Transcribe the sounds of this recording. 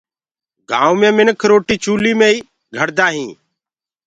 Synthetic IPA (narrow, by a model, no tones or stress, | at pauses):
ɡã̰ːʊmẽːmɪnkʰɾoːʈiːt͡ʃuːliːmẽːiː | ɡʱəɽd̪aːɦĩː